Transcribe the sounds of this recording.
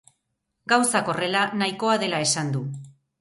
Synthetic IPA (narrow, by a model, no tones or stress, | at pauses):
ɡawsako̞re̞lanajko̞aðe̞lae̞sand̪u